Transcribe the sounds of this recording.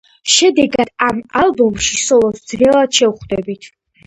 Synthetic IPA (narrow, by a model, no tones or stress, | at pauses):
ʃɛd̪ɛɡad̪̥amalˠbɔmʃisɔlˠɔsd̪zrɛlad̪ʃɛwχd̪ɛbit̪ʰ